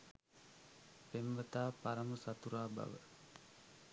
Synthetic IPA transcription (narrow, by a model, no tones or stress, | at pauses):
pemʋət̪aːpaɾamusat̪uɾaːba̰ʋə̰